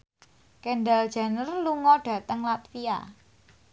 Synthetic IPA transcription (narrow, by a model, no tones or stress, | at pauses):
kɛndald̥ʒ̥ä̤nərluŋɔɖ̥ä̤t̪əŋlat̪fia̰